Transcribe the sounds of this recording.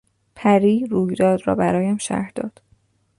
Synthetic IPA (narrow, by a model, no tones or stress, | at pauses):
pʰæɾiːɾuːjd̪ɒːd̪ɾɒ̰ːbæɾɒːjæmʃæ̰ɾd̪̥ɒ̰ːd̪̥